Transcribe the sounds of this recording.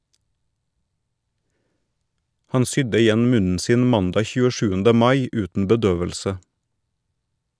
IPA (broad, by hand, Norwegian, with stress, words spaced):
ˈhɑn ˈsʏdə ɪˈjɛn ˈmʉnn̩ ˈsiːn ˈmɑndɑː çʉːəˈʃʉːəndə ˈmɑɪ ˈʉːtn̩ bəˈdøːʋəlsə